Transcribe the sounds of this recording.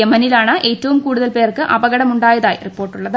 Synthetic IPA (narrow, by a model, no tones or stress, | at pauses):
emɐnilaːɳɨʔe̞ːtːɐʋumkuːɽuðɐlpe̞ːrkɨʔɐbɐɣɐɽɐmuɳɖaːjɐðaːjiripːo̞ːrʈːuɭːɐðɨ